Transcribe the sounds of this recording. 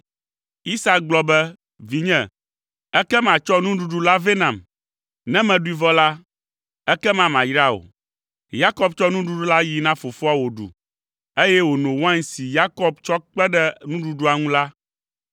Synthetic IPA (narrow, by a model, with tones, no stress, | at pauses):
i˦sa˦k̚ɡ͡blɔ˦bɛ˦ | vi˨ɲɛ̃˨ | ɛ˦kɛ˦mã˨t͡ʃɔ˦nũ˦ɖu˨ɖu˦la˦ve˦nã˨m | nɛ̃˦mɛ̃˨ɖu˦i˦vɔ˦la˦ | ɛ˦kɛ˦mã˨mã˨jɾa˦o̰˨ | ja˦kɔ˦bt͡ʃɔ˦nũ˦ɖu˦ɖu˦la˦ji˨nã˦fo˨fo˦a˨wo˨ɖṵ˨ | e˦jɛ˦wo˨nõ˨wɔ˦ã˦ŋsi˨ja˦kɔ˦b̚t͡ʃɔ˦k͡pɛ˦ɖɛ˦nũ˦ɖu˦ɖu˦a˨ŋũ˦la˦